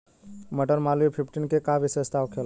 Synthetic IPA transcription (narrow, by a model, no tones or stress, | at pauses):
məʈəɾmaluipʰipʰʈinkekaʋisest̪ʰaʋkʰel